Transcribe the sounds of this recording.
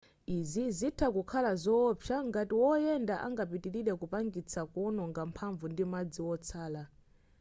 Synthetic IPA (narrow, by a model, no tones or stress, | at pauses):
izizitʰakukʰalazɔpʰaŋɡatiwɔjɛndaʔa̰ŋɡapitiɾiɗɛkupaŋɡit͡sʰakɔnɔŋɡampʰaɱvundimad͡ziwɔt͡sʰaːla